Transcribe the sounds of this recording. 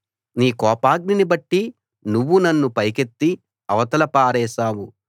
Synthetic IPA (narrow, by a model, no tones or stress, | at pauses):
niːkɔːpaːɡninibɐʈːi | nuʋːunɐnːupɐjke̞t̪ːi | ɐʋɐt̪ɐlɐpaːɾɛːʃaːwu